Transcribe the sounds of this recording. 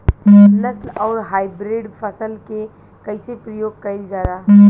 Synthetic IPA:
nəslɔːɾɦaːɪbɾeɖpʰəsəlke | kəɪsepɾəjoːɡ̚kəɪld͡ʒaːɾaː

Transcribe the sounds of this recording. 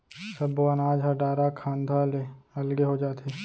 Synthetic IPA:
sɐboanaːd͡ʒɦaɖaːɾakʰaːnd̪ʱaleɐlɡeɦod͡ʒaːt̪eː

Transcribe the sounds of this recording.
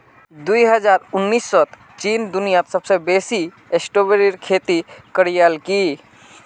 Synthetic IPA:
d̪uiɦəd͡ʒaɾʊnːiːsːɔt̪ | t͡ʃiːnd̪unijat̪səbsebesi | esʈobeɾiɾkʰet̪ikəɾijəlki

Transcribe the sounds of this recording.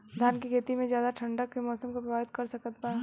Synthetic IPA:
d̪ʱjaːnkikʰeːt̪imẽzjaːd̪aʈʰɐ̃ɳɖəkːemɔːsəmkopɾɐbaːbɪt̪kɐɾsɐkət̪̚paːe

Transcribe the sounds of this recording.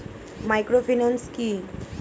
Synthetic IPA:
majkɾofʰinanski

